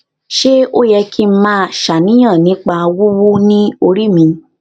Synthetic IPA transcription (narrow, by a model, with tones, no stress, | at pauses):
ʃe˦o˦jɛ˧kʰi˦m̩˦mãː˦ʃa˨nĩ˨˦j̃ã˦˨nĩ˨˦k͡pa˧wu˦wu˦nĩ˦o˧ɾi˦mĩ˧